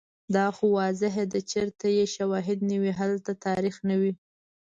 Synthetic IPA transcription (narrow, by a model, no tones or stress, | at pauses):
d̪ɑxowɑzɪɦed̪ət͡ʃeɾt̪ajeʃawɑɦɪd̪nəwiɦalt̪at̪ɑɾixnawi